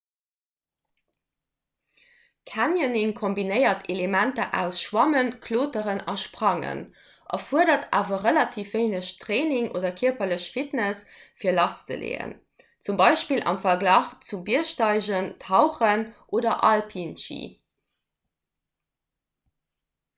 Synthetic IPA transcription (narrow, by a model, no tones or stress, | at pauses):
kʰænjəniŋkʰombinəɪɐtʰelemæntɐʔæʊsʃwɑmənkʰloːtəʁənɑʃpʁɑŋə̰n | ʔɑ̰fuədɐtʰaːvɐʁəlɑtʰiːfeɪnəɕtʰʁeːniŋʔo̰ːdɐkʰiɐpɐləɕfitnəsfiːɐlɑst͡sə̰lḛːə̰n | t͡sumbɑɪʃpiːlʔɑ̰mfɐɡlɑːχt͡subiəʃtɑɪʑəntʰɑʊχənʔoːdɐʔɑlpʰinʃḭː